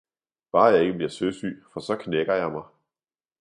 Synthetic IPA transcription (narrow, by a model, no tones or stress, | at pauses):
b̥ɑ̈ːjɑ̈ɪe̝ɡ̥əb̥liɐsøsy̰ːfɒ̽sɒ̽kʰneɡ̥ɐjɑ̈ɪmɑ̈ɪ